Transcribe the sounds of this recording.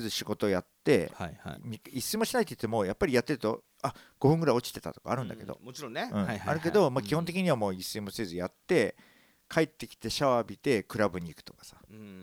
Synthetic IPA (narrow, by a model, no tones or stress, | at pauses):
ezɨɕiɡo̞t̪o̞jat̪ːe̞̰amʲiisɨimo̞ɕinait̪oi̥t̪ːe̞mo̞japːaɾʲijat̪ːe̞ɾɯ̟t̪o̞̰ | aɡ̥o̞ɸɯ̟̃ŋɡɯ̟ɾaio̞t͡ɕi̥t̪e̞t̪a̰t̪o̞ka̰ːɾɯ̟̃nd̪ake̞d̪o̰mot͡ɕiɾõeɯ̃aa̰ɾɯ̟ke̞d̪o̞makʲiho̞nt̪e̞kʲiɲ̟iβamo̞ːisɨimo̞sie̞zɨjat̪ːe̞ | kʰaet̪ːe̞kʲi̥t̪e̞ɕaβabʲit̪e̞kɯ̟ɾabɯ̟ɲ̟iːkɯ̥t̪o̞̥kḁsḁ